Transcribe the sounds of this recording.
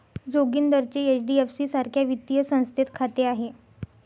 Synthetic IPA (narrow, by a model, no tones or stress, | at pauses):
d͡zoɡiːnd̪əɾt͡ɕeet͡ɕɖiefsiːsaɾkʰjaʋit̪ːijəsə̃w̃st̪ʰet̪kʰat̪eaɦe